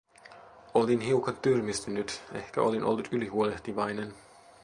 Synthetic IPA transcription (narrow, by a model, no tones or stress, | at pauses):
olinɦiwkɑt̪yrmist̪ynyt̪e̞hkæʔolinʔolːut̪ylihuoleht̪iʋɑjnen